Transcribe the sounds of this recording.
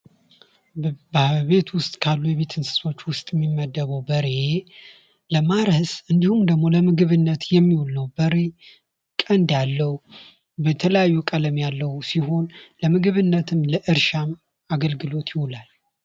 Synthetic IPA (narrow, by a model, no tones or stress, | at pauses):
baβe̞t̪wʊst̪ʼkʰalːujɛβe̞t̪ʰɨnsɨ̥so̞t͡ʃːwʊst̪ʼjɛmːimːəd̪ːəβəwbəɾe̞ | ləmaɾəsɨnd̪ihumd̪əɡmo̞ləmɨɡɨβɨnːət̪jɛmːiwulːəwbəɾe̞ | kʼənd̪jalːəw | bət̪ʰələjajːukʼələmjalːəwsiɦo̞nləmɨɡɨβɨnːət̪ʰɨmləʔɨɾʃam | aɡəlɡɨlo̞t̪jɪhulal